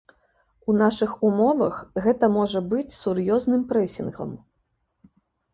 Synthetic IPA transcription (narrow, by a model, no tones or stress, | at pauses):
unaʂɨxumɔvɐ̰xɣɛt̪ɐmɔʐɐbɨt͡sʲsurjɔznɨmpɾɛsʲinɣlˠɐ̰m